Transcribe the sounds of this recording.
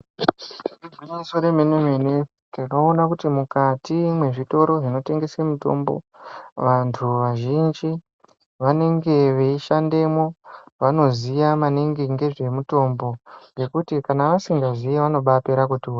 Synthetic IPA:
ibinisoɾemeneɦene | takoonakutimukatimwe̞ʐito̞ɾo̞ʐino̞te̞ŋɡe̞semuto̞̰mbo̞̰ | ʋantʰuʋaʒind͡ʒi | ʋane̞ŋɡe̞ʋeiʃande̞mo̞ʋano̞zijamaneŋɡiŋɡe̞ʐe̞muto̞mbo̞ɡe̞kutikanaʋasiŋɡazijeʋano̞ɓape̞ɾak̬utua

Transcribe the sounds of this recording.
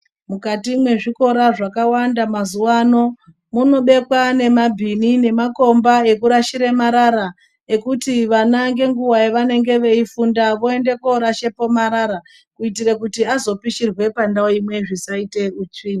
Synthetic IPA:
mukatimwe̞ʐiko̞ɾaʐakawandamazuwano̞ | muno̞ɓe̞kwane̞mabʱinine̞mako̞mbae̞kuɾaʃiɾemaɾaɾa | e̞kutiʋanaŋɡe̞ŋɡuwaeʋane̞ŋɡe̞ʋe̞ifundaʋo̞e̞nde̞ko̞ɾaʃe̞po̞maɾaɾa | kuitirakutiazo̞piʃirwe̞pandaoimwe̞ʐisaite̞ut͡ʂiːni

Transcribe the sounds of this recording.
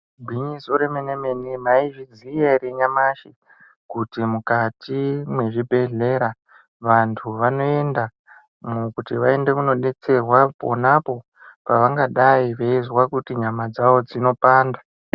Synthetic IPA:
bʱwiɲisoɾemenemenimaiʐid͡zijeɾiɲamaʃi | kutimukatimwe̞ʐibʱe̞ɮe̞ɾa | ʋantʰuʋano̞e̞nda | mukutiʋae̞nde̞kuno̞ɗe̞t͡se̞rwapo̰napo̞ | paʋaŋɡaɗaiʋeizwakutiɲamad͡zaʋo̞d͡zino̞paːnda

